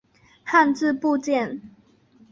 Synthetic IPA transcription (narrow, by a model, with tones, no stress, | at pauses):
ha˥˧nt͡sɹ̩˥˧pu˥˧t͡ɕjɛ˥˨n